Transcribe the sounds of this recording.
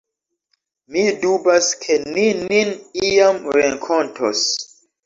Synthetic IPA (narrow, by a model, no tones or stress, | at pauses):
midubaskʰenininijamɾeŋkʰontʰo̰s